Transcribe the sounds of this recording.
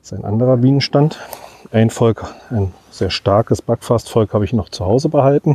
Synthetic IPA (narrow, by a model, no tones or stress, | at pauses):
ɪstaɪnʔa̰ndəʁɐbiːnənʃtantʔaɪnfɔlkʔaɪn | z̥eːɐʃtaɐkəsb̥akfastfɔlkhaːbəɪçnɔχt͡suhaʊzəbəhaltn̩